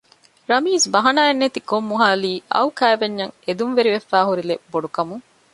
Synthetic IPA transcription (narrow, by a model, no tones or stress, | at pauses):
ɾɐmiːsbɐɦɐnaːenːet̪ikomːuɦaːliːʔɐ̰ukæːʋeɲːɐŋed̪unʋeɾiʋefːaːɦuɾileboɖukɐmuŋ